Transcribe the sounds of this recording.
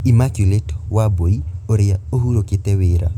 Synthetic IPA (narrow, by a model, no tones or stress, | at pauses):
imakuletɔ̥waboioɾɪaoɦuɾokɪtɛwɪɾa̰